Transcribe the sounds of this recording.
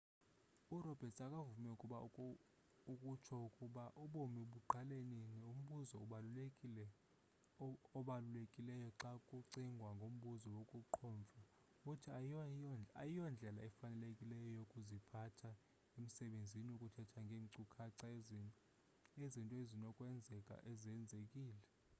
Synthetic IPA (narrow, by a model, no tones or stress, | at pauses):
urɔb̥ʱɛtʰʼakʼavumɛukʼuɓa | ukʼut͡ʃʰɔukʼuɓaʔuɓomiɓuǃaleninɛum̩ɓuzɔɓaɛ | ɔɓalulekʼilɛjɔǀakʼuǀiŋɡʱwaŋɡʱom̩ɓuzɔwokʼuǃʰɔːɱvʱa | kutʰi | ajijɔnd͡ɮʱɛlaɛfanɛlekʼilɛjɔjokʼuzipʰatʰa | em̩sɛɓend͡zʱiniukʼutʰɛtʰaŋɡʱeːŋǀukʰaǀa | ezintʼɔezinɔkʼwɛnd͡zʱɛkʼa̰ʔezɛnd͡zʱekʼiːlɛ